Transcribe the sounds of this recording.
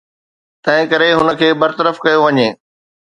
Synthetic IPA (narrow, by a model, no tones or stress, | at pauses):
t̪ɐ̃ɦɪ̃kɐɾeɦʊnə̆kʰeːbɐɾt̪əɾəfkɐjoʋɐɲeː